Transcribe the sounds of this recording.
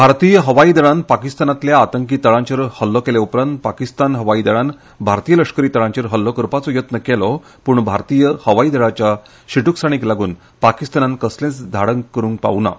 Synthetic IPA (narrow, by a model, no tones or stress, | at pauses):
bʱaɾt̪ijəɦəʋaid̪əɭanpakist̪anat̪ljaːt̪əŋkiːt̪ːəɭãɲt͡ɕəɾhəlːɔkɛljaupɾãnt̪̚pakist̪anɦəʋaid̪əɭan | bʱaɾt̪ijələkʂkəɾiːt̪əɭãɲt͡ɕəɾɦəlːɔkəɾpat͡sɔjət̪nəkɛlɔ | puːɳbʱaɾt̪ijəhəʋaid̪əɭat͡ɕja | ɕiʈuksaɽ̃iklaɡuːn | pakist̪anankəslẽt͡sd̪ʱaɽəŋkəɾuːŋk̚pa̰ʋna̰